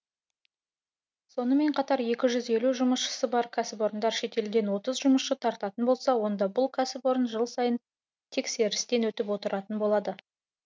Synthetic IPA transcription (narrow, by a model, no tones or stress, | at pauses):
so̞nəme̞ɴqʰɑt̪ɑɾje̞kʲɪʒʏze̞luʒʊməsʃə̥səbɑɾkʲʰasɪpo̞ɾənd̪ɑɾʃe̞t̪e̞ld̪e̞nwo̞t̪əzʒʊməsʃət̪ʰɑɾt̪ɑt̪ənbo̞lˠsɑwo̞nd̪ɑbʊlˠkʰasɪpo̞ɾənʒəlˠsɑjən | t̪ʰe̞kse̞ɾɪst̪e̞nwɵt̪ɪpwo̞t̪əɾɑt̪ənbo̞lˠɑd̪ə